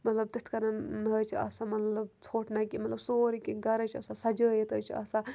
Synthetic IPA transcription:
mɐt̪lɐb̚t̪it̪ʰkɐnanəːt͡ʃʰiɐ̰samɐt̪lɐb̚t͡sʰoːʈnakimɐt̪lɐbsoːɾikinɡɐɾət͡ʃʰɐsasɐd͡ʒəːjet̪əːt͡ʃʰiɐ̰sa

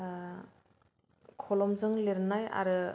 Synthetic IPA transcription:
kʰɔlɔmzɯŋleɾɯnaja̰ɾɯ

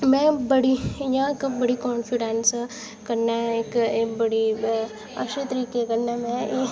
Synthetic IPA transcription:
mɛ̃bɐɽiijãkbɐɽikɔːnfiɖens | kɐɾnaɦɛeːkeːbɐɽi | ɐ̰ʃet̪əɾiːkekɐɾnamẽ

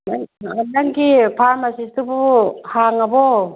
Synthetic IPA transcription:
aanaŋɡipʰaɾmasistubuhaŋɐbɔ

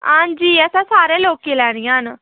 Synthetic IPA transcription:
ɦãːɲd͡ʒiːɛːsãːsaːɾẽːloːkiːlɛːɽ̃ijãːɦən

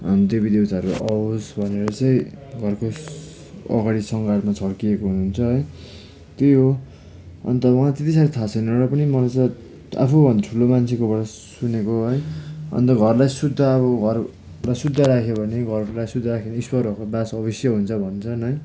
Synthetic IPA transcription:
ʌd̪ebid̪ewt̪aʌɾuʔʌosbʱʌneɾʌt͡sʌj̃ɡʱʌrko | ʌ̰ɡaɽisʌŋɡaɽmat͡sʰʌɽkiekoɦununt͡sʰʌɦʌj | t̪eɦo | ʌ̰nt̪ʌwʌ̃at̪et̪isaɾit̪ʰat͡sʰʌnʌɾʌpʌnimʌlajt͡sa | a̰pʰubʱʌnd̪aʈʰulomant͡sʰekobʌɽʌ | sunekoɦʌjʌ̰nt̪ʌɡʱʌrlajsud̪ʱːʌːβʌɡʱʌr | lajsud̪ʱːʌɾakʰjebʱʌneɡʱʌrlajsud̪ʱːaɾakʰenispʌɾʌkobasʌbʌsjʌɦunt͡sʰʌbʱʌnt͡sʰʌnʌj

